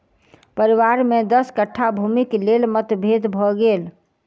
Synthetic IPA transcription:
pəɾiʋaɾmed̪əskəʈʰːabʱumiklelmət̪bʱed̪bʱɔɡel

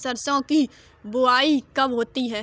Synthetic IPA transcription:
sɐɾsõki | bʊaːikɐbɦoːt̪iɦɛː

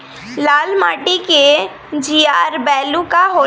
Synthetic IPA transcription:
laːlmaːʈike | d͡ʒijaːɾbɛːlukaɦo

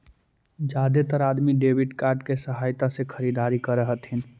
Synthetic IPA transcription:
d͡ʒad̪et̪əɾad̪miɖebiʈkaɾɖkesəɦajt̪asekʰəɾid̪aɾikəɾəɦət̪ɦin

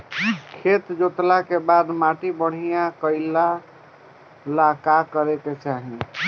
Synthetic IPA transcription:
kʰet̪d͡ʒot̪lakebad̪maʈibəɽ̤ijakəɪla | lakakəɾɛk̪et͡ʃaɦi

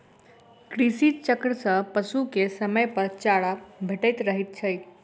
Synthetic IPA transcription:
kɾisit͡ʃəkɾəsə̃pəsukesəməjpəɾt͡ʃaɽabʱeʈəjt̪ɾəɦɛt̪̚t͡ʃʰəj

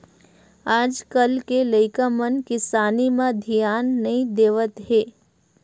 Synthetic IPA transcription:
aːd͡ʒkəlkeləɪkamənkɪsaːnimãd̪ʱijaːnːɐɦĩd̪eːʋət̪ɦeː

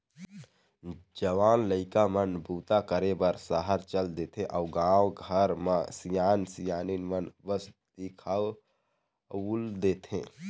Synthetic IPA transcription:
d͡ʒəʋaːnləɪkamənbuːt̪akəɾebəɾsəɦəɾt͡ʃəld̪et̪ʰɦẽʔaʊɡãwɡʱəɾməsijaːnsijaninmənbəsd̪ikʰaw | uld̪et̪ɦḛ̃

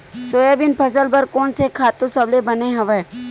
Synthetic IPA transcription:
soːjaːbɪnpʰɐsəlbɐɾkoːnsekʰaːt̪õsɐblebɐneɦɐʋɛː

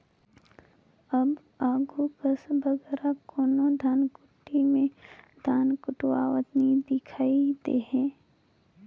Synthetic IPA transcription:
ɐb | aːɡʱukəsbɐɡɛːɾakoːnod̪ʱaːnkʊʈːimẽd̪ʱaːnkʊʈwa̰ːwət̪nid̪ɪkʰaːid̪eːɦɛ̃ː

